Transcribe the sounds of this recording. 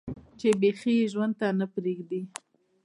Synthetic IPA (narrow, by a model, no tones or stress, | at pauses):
t͡ʃebexieʒwand̪̚t̪anapɾeɡd̪i